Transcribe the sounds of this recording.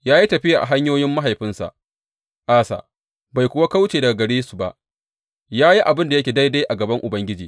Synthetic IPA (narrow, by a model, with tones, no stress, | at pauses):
jaː˦ji˦tɐ˨ɸɪ˦jaː˨ʔa̰˨ɦa˦ɲjoː˦jɪ˦mːa˦ɦa˨jɸɪ˦nsa̰˨ʔ | ʔaː˦sa̰˨ʔ | ba˨jkʷʊ˨wa˦ka˦wt͡ʃeː˨dɐ˨ɡa˨ɡɐ˨ɽeː˦su̥˨ba̰˨ʔ | jaː˦ji˦ʔa˨bɪ˦nda˨jɐ˦kʲeː˨da˦jda˦ʔa˨ɡɐ˨bɐ˦ŋʔʊ˨bɐ˦ŋɡʲɪ˦d͡ʒiː˨